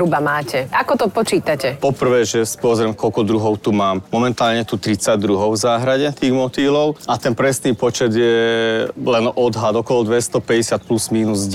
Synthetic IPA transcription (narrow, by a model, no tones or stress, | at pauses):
ubamaːcɛakɔt̪ɔpɔt͡ʃiːt̪acɛpɔpr̩ʋɛːʒɛspʊɔzɾɛmkɔlkɔd̪ɾuɦɔʊt̪umaːmmɔmɛnt̪aːlɲɛt̪ut̪ɾit͡saɟd̪ɾuɦɔʊvzaːɦɾaɟɛt̪iːɣmɔt̪iːlɔʊat̪ɛnpɾɛsniːpɔt͡ʃɛd̪jɛ | lɛnɔd̪ɦad̪ɔkɔlɔd̪ʋɛst̪ɔpɛɟɛsɪat̪̚pluzmiːnuzɟ